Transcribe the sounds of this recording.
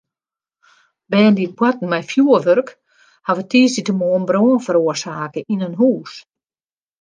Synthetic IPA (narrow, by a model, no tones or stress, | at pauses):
bɛːndit̚bwatn̩mɛjfjuəʋørk | haʋətʰiːsitəmoːnbroːnfəɾuərsaːkəʔinənɦuːs